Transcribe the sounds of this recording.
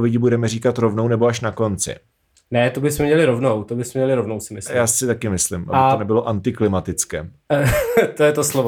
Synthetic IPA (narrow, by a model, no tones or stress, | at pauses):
vɪɟɪbudɛmɛriːkat̪ɾovnownɛboaʃnako̞nt͡sɪ̰ | nɛt̪obɪsmɛmɲɛlɪɾovnowt̪obɪsmɛmɲɛlɪɾovnowsɪmɪsjaːsɪt̪akɪmɪslɪmʔa̰bɪt̪onɛbɪlo̞ʔant̪ɪklɪmat̪ɪt͡skɛː | t̪ojɛt̪oslov